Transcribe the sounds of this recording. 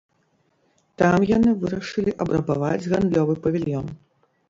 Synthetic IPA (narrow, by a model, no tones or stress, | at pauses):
t̪amjanɨvɨɾɐʂɨlʲiʔɐbɾɐbavad͡zʲɣand̪lʲɔvɨpɐvʲilʲjɔn